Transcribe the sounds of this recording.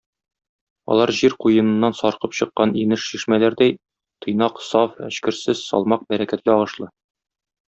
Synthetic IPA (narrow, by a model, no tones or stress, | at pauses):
ɒ̰lˠɑɾʑiɾqujɤ̆nɤ̆nːɑnsɒɾqɤpɕɤ̆qːɑninɘʃɕiʃmælæɾd̪æj | t̪ʰɤ̆jnɑqsɑfæ̰ɕkɘ̆ɾsɘz̥sɒ̰lˠmɑq̚bæɾækæt̪̚kæɒʁɤ̆ʃlˠɤ